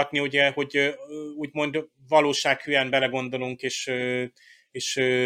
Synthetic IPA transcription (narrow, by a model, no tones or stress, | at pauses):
t̪niuɟɛho̞ɟuːɟmo̞nd̪ | vɒloːʃaːkhyjɛmbɛlɛɡo̞nd̪o̞luŋkeːʃø | eːʃø